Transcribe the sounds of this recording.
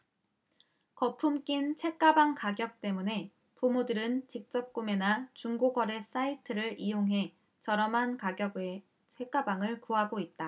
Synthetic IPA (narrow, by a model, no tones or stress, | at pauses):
kʌpʰumk͈int͡ɕʰe̞k̚k͈abaŋkaɡjʌk̚t͈e̞mune̞ | pomudɯɾɯnt͡ɕik̚t͡ɕ͈ʌp̚k͈ume̞nat͡ɕuŋɡoɡʌɾe̞s͈aitʰɯɾɯɭʔijoŋɦe̞ | t͡ɕʌɾʌmɦankaɡjʌɡe | t͡ɕʰek͈abaŋɯɭkoɦaɡoit̚t͈a